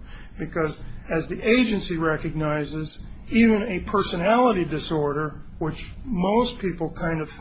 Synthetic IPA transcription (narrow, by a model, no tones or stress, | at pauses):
b̥ɨkʰʌzɨzðiʔeɪd͡ʒɨ̃nsiɹɛkɨɡ̚naɪzɪz | ivɨ̃nɨpʰɜ˞sɨnælˠəɾidɨsɔɹɾə˞wɪt͡ʃmoʊspʰipl̩ˠkʰãɪ̃ndʌv̥